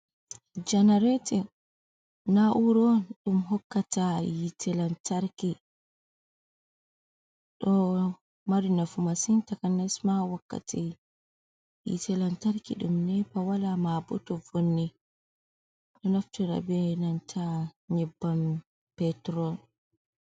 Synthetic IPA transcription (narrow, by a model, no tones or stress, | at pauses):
d͡ʒanaɾɛtɛ | naʔuɾɔɗumɦɔkːatajitʰɛlantaɾki | ɗɔ | maɾinafumasintakanasmawakːa̰tʰi | jḭtɛlantaɾkḭɗumnɛpawalamabɔtɔvonːɛ | ɗɔnaftuɾa̰bɛnantʰaɲɛbːam | pɛtɾɔn